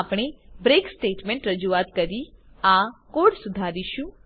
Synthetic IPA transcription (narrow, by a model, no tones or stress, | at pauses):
apɽ̃ebɾeksʈeːʈmẽɳʈɾəd͡ʒuʋat̪kəɾi | akoɽsud̪ʱaɾiʃũ